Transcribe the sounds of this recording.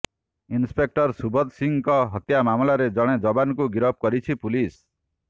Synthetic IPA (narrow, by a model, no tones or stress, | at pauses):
inspek̚ʈɔɾsubʱɔd̪siŋkɔɦɔt̪jamamlaɾed͡ʒɔɽ̃ed͡ʒɔbankuɡiɾɔp̚kɔɾit͡ʃʰipulis